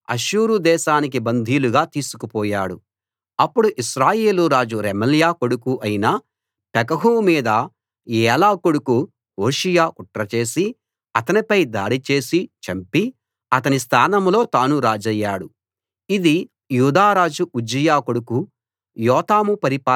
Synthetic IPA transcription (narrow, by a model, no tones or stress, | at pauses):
ɐ̰ʃuːɾud̪ɛːʃaːnik̬ibɐnd̪ʱiːluɡaːt̪iːsu̥kupɔːjaːɽu | ɐpːuɽuʔiʃɾaːjeːluɾaːd͡ʒuɾɛmɐljaːkoɽukuʔɐjinɐ | pɛkɐɦuːmiːd̪ɐ | jɛːlaːkoɽuku | oːʃijaːkuʈɾɐt͡ʃe̞ːsi | ɐt̪ɐnipɐjd̪a̰ːɽit͡ʃe̞ːsit͡ʃɐmpi | ɐt̪ɐnist̪ʰaːnɐmlo̞ːt̪aːnuɾaːd͡ʒɐjːaːɽu | id̪i | juːd̪aːɾaːd͡ʒuʔud͡ʒijaːkoɽuku | jɔːt̪aːmupɐɾipaː